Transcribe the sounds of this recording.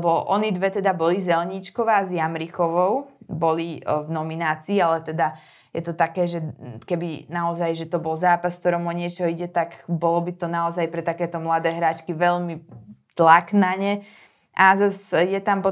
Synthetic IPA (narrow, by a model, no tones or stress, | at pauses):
bɔʔɔnid̪ʋɛt̪ɛd̪abɔlizɛlɲit͡ʃkɔʋaːzjamɾixɔʋɔʊbɔlivnɔminaːt͡siːalɛt̪ɛd̪a | jɛt̪ɔt̪akɛːʒɛkɛbinaɔzajʒɛt̪ɔbɔlzaːpaskt̪ɔɾɔmɔɲɪɛt͡ʃɔiɟɛt̪akbɔlɔbit̪ɔnaɔzajpɾɛt̪akɛːt̪ɔmlad̪ɛːɦɾaːt͡ʃkiʋɛʎmit̪laknaɲɛ | ʔazasjɛt̪ampɔ